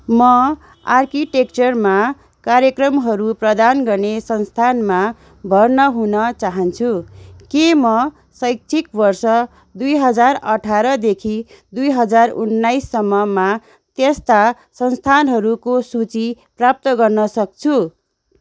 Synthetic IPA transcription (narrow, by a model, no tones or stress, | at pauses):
mʌ | arkiʈek̚t͡sʌrma | kaɾjʌkrʌmɦʌɾuprʌd̪anɡʌrnesʌnst̪ʰanma | bʱʌrnʌɦunʌt͡saɦʌnt͡sʰukemʌ | sʌjk̚t͡sʰikbʌrsʌ | d̪ujɦʌd͡zarʌʈʰaɾʌd̪ekʰi | d̪ujɦʌd͡zarunːajsːʌmːʌma | t̪est̪a | sʌnst̪ʰanɦʌɾukosut͡si | prap̚t̪ʌɡʌrnʌsʌk̚t͡sʰu